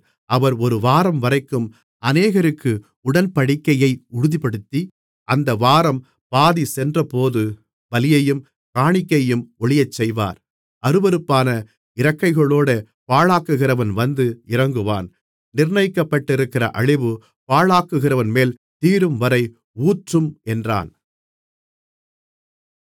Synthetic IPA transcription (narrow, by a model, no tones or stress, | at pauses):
ʔɐʋɐɾɔɾɯʋaːɾɐmʋɐɾɐɪkːɯm | ɐneːɣɐɾɯkːɯ | ʊɽɐnpɐɽɪkːɐjɐɪʊɽɯðipːɐɽɯt̪ːi | ʔɐnd̪ɐʋaːɾɐm | paːðisɛndrɐpoːðɯ | bɐlɪjɐjɯm | kaːɳɪkːɐjɯmɔɭɪjɐt͡ʃːɛjʋa̰ːɾ | ɐɾɯbɐɾɯpːaːnɐ | ɪɾɐkːɐɪɣɐɭoːɽɯ | paːɭaːkːɯɣɪrɐʋɐnʋɐnd̪ɯɪɾɐŋɡɯʋa̰ːn | nɪɾɳɐjɪkːɐpːɐʈːɪɾɯkːɪrɐ̰ʔɐɻɪʋɯ | paːɭaːkːɯɣɪrɐʋɐnmeːlt̪iːɾɯmʋɐɾɐɪ | uːʈrɯmɛndra̰ːn